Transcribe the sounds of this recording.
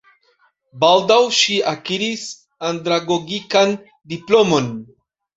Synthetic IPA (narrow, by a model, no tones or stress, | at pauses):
baldawʃiakiɾis | andɾaɡo̞ɡikan | diplo̞mo̞n